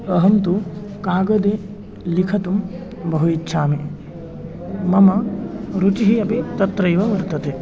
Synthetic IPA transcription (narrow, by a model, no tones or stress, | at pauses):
ɐɦɐnt̪ukaːɡɐd̪e | likʰɐt̪um | bɐɦuitːʃʰaːmi | mɐmɐɾut͡ʃiɦiɐpit̪ɐt̪ɾɐjʋɐʋɐɾt̪ɐt̪e